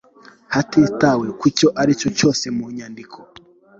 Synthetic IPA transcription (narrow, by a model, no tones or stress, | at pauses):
hatetawe̞kuco̞ʔaɾicoco̞ːse̞muɲandikʰo